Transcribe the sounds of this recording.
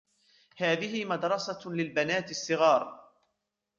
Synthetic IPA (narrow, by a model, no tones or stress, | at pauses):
haːðɪhɪmad̪ɾˤɑsalɪlbanaːt̪ɪsˤːɨɣɑːɾˤ